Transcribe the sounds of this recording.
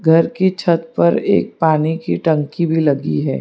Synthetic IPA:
ɡʱɐɾkit͡ʃʰɐt̪pɐɾḛːk̚paːnikiʈɐ̃ŋkibʱilɐɡiɦɛ̰ː

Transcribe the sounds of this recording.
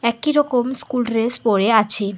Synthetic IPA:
ɛkiɾɔkomskulɾespoɾeat͡ɕʰe

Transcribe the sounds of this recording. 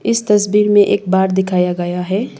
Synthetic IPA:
ɪst̪ɐsbiːɾmẽʔḛːk̚baːɾd̪ɪkʰaːjaɡɐjaɦɛː

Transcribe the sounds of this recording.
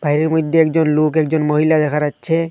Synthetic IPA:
b̥ʱajɾeɾmod̪ʱːeɛkd͡ʒonlokɛk̚d͡ʑonmoɦilad̪ɛkʰaɾatːɕʰe

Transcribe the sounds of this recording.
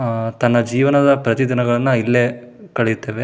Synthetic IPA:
t̪ɐnːɐd͡ʒiːʋɐnɐd̪ɐpɾɐt̪id̪inɐɡɐɭɐnːɐilːe | kɐɭejut̪ːeːʋe

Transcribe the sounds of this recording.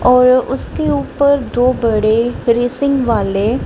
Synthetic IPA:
ɔːɾʊskeuːpəɾd̪oːbɐɽeɾeːsɪ̃ŋɡʋaːle

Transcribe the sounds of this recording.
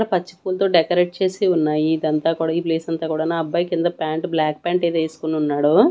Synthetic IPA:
ɽɐpɐt͡ʃːi̥puːlɐt̪o̞ːɖɛkɐɾeʈ̚t͡ʃe̞ːsiunːaːjiːd̪ɐnt̪aːkuːɽaːipleːsɐnt̪aːkuːɽaːnaɐbːaːjkind̪ɐpaːɳʈblaːk̚paːɳʈeːd̪eːsu̥kununːaːɽu

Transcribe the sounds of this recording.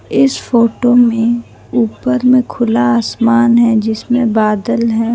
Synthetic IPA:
ɪsfoːʈomẽ | uːpəɾmẽkʰʊlaaːsmaːnɦɛd͡ʒɪsmẽbaːd̪əlɦɛ̃ː

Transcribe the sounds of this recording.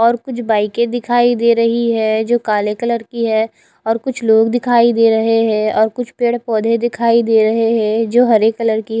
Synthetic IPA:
ɔːɾkʊt͡ʃʰbaːɪkẽd̪ɪkʰaːid̪eːɾɐɦiɦɛd͡ʒoːkaːlekələɾkiɦɛː | ɔːɾkʊt͡ʃʰloːɡd̪ɪkʰaːid̪eːɾɐɦeɦɛɔːɾkʊt͡ʃʰpeːɽpɔːd̪ʱed̪ɪkʰaːid̪eːɾɐɦeɦɛ̃d͡ʒoːɦɐɾeːkːələɾki

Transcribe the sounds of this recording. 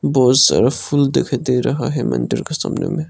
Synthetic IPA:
bɔːt̪sɐ̰ɾapʰuld̪ekʰd̪eɾɐɦaɦɛmɐ̰nɖɪɾkesɐmnḛmẽ

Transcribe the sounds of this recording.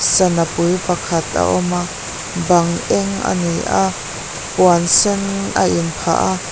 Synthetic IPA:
sɐnapujpɐkʰɐt̪̚a̰ʔɔma | bɐŋʔɛŋa̰nijʔa | puansɛna̰ʔinpʰa̰ʔa

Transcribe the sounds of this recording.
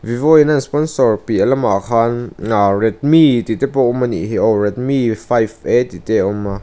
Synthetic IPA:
vivɔinanspɔnsɔɹpiʔɐlɐma̰kʰanarɛt̪̚mit̪it̪ɛpɔʔɔmanḭʔɦiʔɔrɛt̪̚mifajfet̪it̪ɛʔɔma

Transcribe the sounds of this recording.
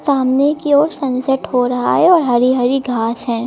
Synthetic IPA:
saːmnekiɔːɾsɐ̃nsəʈhoɾɐɦa̰ɦɛɔːɾɦɐɾiɦɐɾiɡʱaːsɦɛ̃ː

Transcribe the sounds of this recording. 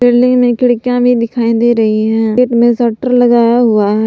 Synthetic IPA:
ɪlɪŋɡmẽːkɪɽkjãːʋiːd̪ɪkʰaːĩːd̪eːɾəɦiːɦɛ̃ːʈmẽːsəːʈəɾləɡaːjaːɦʊaːɦɛ

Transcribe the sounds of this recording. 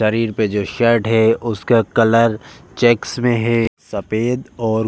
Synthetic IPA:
ʃɐɾiːɾped͡ʒoːʃɐɾʈɦɛʊskakɐləɾt͡ʃeːksmẽɦɛsɐpeːd̪ɔːɾ

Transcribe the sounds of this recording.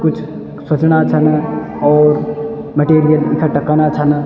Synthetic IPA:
kʊt͡ʃʰ | swɐt͡ʃnat͡ʃʰɐn | ɔːɾ | meʈeːɾijəlɪkʰaʈɐkanat͡ʃʰɐn

